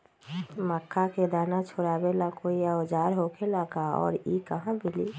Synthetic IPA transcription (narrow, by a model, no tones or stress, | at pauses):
məkʰːaked̪aːnat͡ʃʰoɾabelakoiaod͡ʒaːɾɦokelakaɔ̰ːɾikəɦãbiliː